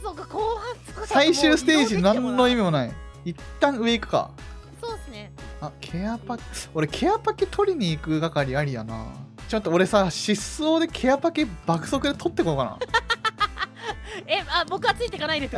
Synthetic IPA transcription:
sokakoːhãsɨ̥saiɕɨːsɨ̥t̪e̞ːʑinãnːo̞imʲimo̞naiit̪ːãɰ̃ɯ̟e̞ikɯ̟̥ka̰ | soːsɨneakʰe̞apako̞ɾe̞kʰe̞apaket̪ʰo̞ɾʲiɲ̟iːkɯ̟ɡakaɾʲiaɾʲijana̰ːt͡ɕot̪ːooɾe̞saɕisːo̞ːd̪e̞kʰe̞japakeb̥akɯ̟̥so̞kɯ̟d̪e̞t̪ʰo̞t̪ːe̞kookana̰ | eabo̞kɯat͡sɨit̪ekanaĩd̪esɨ

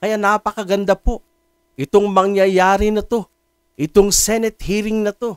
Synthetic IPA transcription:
kɐjanapɐkɐɡɐnd̪apo̞ | ʔɪt̪o̞ŋmɐŋjɐjaːɾɪnɐt̪o̞ | ʔɪt̪oŋsɛnɛt̪̚hiːɾɪŋnɐt̪o̞

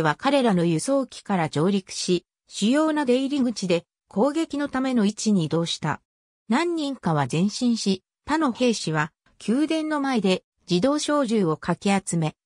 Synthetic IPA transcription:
βakaɾe̞ɾano̞jɯ̟so̞ːkʲi̥kaɾad͡ʑo̞ːɾʲikɯ̥ɕi | ɕijo̞ːnad̪e̞iɾʲiŋɡɯ̟t͡ɕid̪e̞ | kʰo̞ːɡe̞kʲino̞t̪ame̞no̞it͡ɕiɲ̟id̪o̞ːɕi̥t̪a̰ | nãɲ̟ːĩŋkaβ̞azẽ̞ɰ̃ɕĩɰ̃ɕi | t̪ano̞he̞ːɕiβ̞a | kʲʰɨːd̪ẽ̞nːo̞mae̞d̪e̞ | d͡ʑid̪o̞ːɕo̞ːʑɨːo̞kakʲiat͡sɨme̞

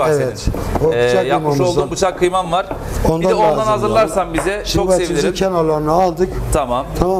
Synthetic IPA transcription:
evɛobut͡ʃʰakːmamulˠzabut͡ʃʰakʰːɯjmanvaɾ̥ | o̞nd̪aad̪anazɯlˠaɾsambizɛsʰoatimzincʰɛnolˠaɾnaalˠd̪ɯkt̪ʰamamt̪ʰama

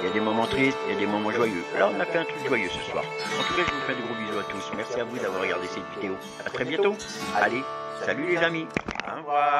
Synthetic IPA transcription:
ljad̪emɔmɑ̃t̪χist̪iljad̪emɔmɑ̃ʒwajølaɔ̃nafɛɛ̃t̪χykʒwajøsəswa̰ːʁɑ̃t̪ukaʒəvufɛ̃d̪əɡʁobyzoat̪usmɛʁsiavud̪avwaʁːəɡaʁd̪esɛt̪vid̪eo | at̪χɛbjɛ̃t̪o | ale | salylezamḭ̃

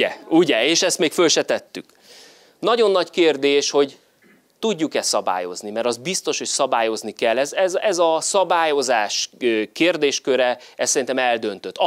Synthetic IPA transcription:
ɛuɟɛeːʃɛst̪meːkfølʃɛt̪ɛt̪ːyk | nɒɟo̞nːɒɟkeːrd̪eːʃho̞ɟ | t̪uɟːukɛssɒba̰ːjo̞̰znimɛɾɒzd̪̚bist̪o̞ʃho̞csɒbaːjo̞znikɛlːɛzɛzɛzɒsɒbaːjo̞zaːʃkeːrd̪eːʃkøɾɛɛssɛɾint̪ɛmɛld̪ø̞nt̪ø̞t̪ːɒ

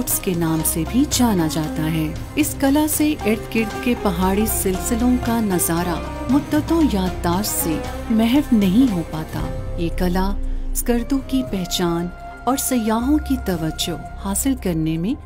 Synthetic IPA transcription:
ʈskenaːmsebʱid͡ʒaːnad͡ʒaːt̪aɦɛː | ɪskɐlaseʔɪɾt̪kɪɖɖkepɐɦaːɽisɪlsɪlõkanɐzaːɾa | mʊd̪ːət̪õjaːd̪d̪aːɾse | mɛɦɛfnɐɦĩɦopaːt̪a̰ːjeːkɐlasɡɐɾd̪õkipɛɦt͡ʃaːn | ɔːɾsɐjaːɦõkit̪ɐʋəd͡ʒo | haːsɪlkɐɾnemẽ

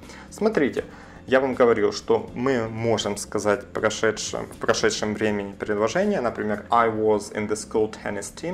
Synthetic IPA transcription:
smɐt̪ɾʲitʲɪ̰ | javamɡəvɐɾʲilˠʂt̪o̞mɨmo̞ʐɨmskɐzatʲpɾɐʂɛtʂɨ̰fpɾɐʂɛt̪ʂɨmvɾʲemʲɪnʲɪpʲɾʲɪd̪lˠɐʐɛnʲɪjənəpɾʲɪmʲe̞rajʋɔzɪ̰nðəskulˠt̪ʲʰɛ̰nʲɪstʲʰim

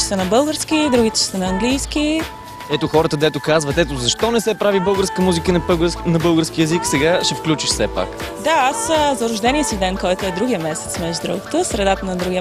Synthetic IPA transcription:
sənɐbɤlˠɡəɾsk̟id̪ɾuɡit̪ɛ̥ʃɛ̥sənɐɐŋɡlijsk̟i | ɛt̪oxɔɾət̪əd̪ɛt̪okazvɐt̪ɛt̪ozɐʃt̪ɔnɛsɛpɾavibɤlˠɡəɾskəmuzikənnɐbɤlˠɡəɾsk̟iɛziksɛɡaʃɛfklʲut͡ʃiʃsɛpa̰k | d̪aaszɐɾʊʒd̪ɛniɛsivd̪ɛnkɔjt̪oɛd̪ɾuɡijəmɛsɛ̥t̪smɛʒd̪ɾo̰ɡət̪əsɾɛd̪at̪ənɐd̪ɾuɡiə

